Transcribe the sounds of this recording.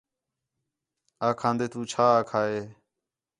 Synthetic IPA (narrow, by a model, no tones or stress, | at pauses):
aːkʰãːnd̪eːt̪ũːt͡ʃʰaːaːkʰaːɦeː